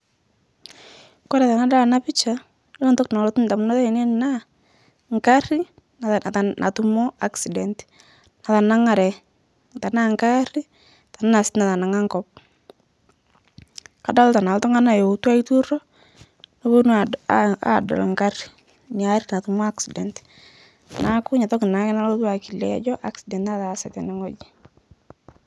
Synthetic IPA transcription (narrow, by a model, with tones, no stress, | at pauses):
kɔ˦ɾɛ˨ta˨na˦da˦la˨na˦pɪ˦t͡ʃa˨ | lo˦ntɔ˦kna˨lo˦tu˦n˨ta˨mu˦na˦tɔ˦˨ne˦na˦ | ŋka˦ri˦ | na˨ta˨nʔa̰˨tu˦mɔ˦a˦ksi˨dɛ˨nt | na˨ta˨na˦ŋa˨ɾɛ˨ | ta˨na˦ŋka˦ri˦ | ta˨na˦na˨sɪ̥˦tna˨ta˨na˨ŋa˦ŋkɔ˦p̚ | ka˨da˦lta˨na˨ltɔ˦ŋa˦na˨jo˨˦twa˦i˦tu˦ɾɔ˦ | no˦bo˦n | a̰dɔ̰˨lŋka˦ri | ɲa˦ɾi˦na˨tu˨mɔ˦a˦ksidɛ˨nt | na˦kʊ˦ɲa˨tɔ˦kɪ˨na˨˦kɪ˦na˦lo˦t̬wa˨ki˨lɛ̰˦d͡ʒɔ˦ʔa˦ksi˨dɛ˨ntna˦ta˨sɛ˨tɛ˨nɛ˦ŋɔ˦d͡ʒi˦